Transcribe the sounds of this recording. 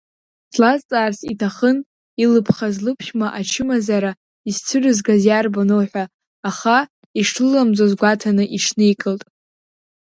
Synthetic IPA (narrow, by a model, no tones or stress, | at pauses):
sʰlazt͡sʼaːrsitʰaχən | ilɨpʰχazlɨpʰχʲmaʔat͡ʃʰɨmazaɾa | izt͡sʷʰɨrɨzɡazjarbanowħʷᶣaː | χa | iʂʰlɨlːamd͡zʼozɡʷatʰanɨʔiʈ͡ʂʰnɨikʼɨltʼ